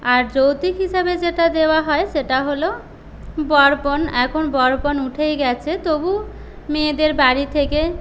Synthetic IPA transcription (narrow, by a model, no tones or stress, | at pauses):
aɾd͡ʑowt̪ikɦiʃabed͡ʑeʈad̪eoaɦɔeʃeʈaɦolo | bɔɾponɛkʰonbɔɾponuʈʰejɡɛt͡ɕʰet̪obu | med̪eɾbaɾit̪ʰeke